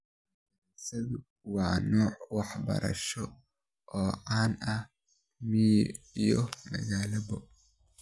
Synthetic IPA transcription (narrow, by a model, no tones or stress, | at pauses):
ɐ | ɐɐsɐðʊ | wɑːnɔːʕwɑħbɐ̰ɾʔɐ̰ʃɔ | ʔɔːʕaːnɐ | mi | ijɔmɐ̰ɣaːlɐbɔʔ